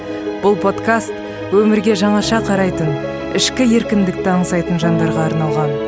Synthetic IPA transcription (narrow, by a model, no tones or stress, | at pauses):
b̥ʊlˠpʰo̞t̪kast̪ | wɵmɪɾɡʲe̞ʒɑɴɑʃɑqʰɑɾɑjt̪ən | ɪʃkʲɪje̞ɾkʲɪnd̪ɪk̚t̪ɪɑɴzɑjt̪ənʒɑnd̪ɑɾʁɑːɾnɑlˠʁɑn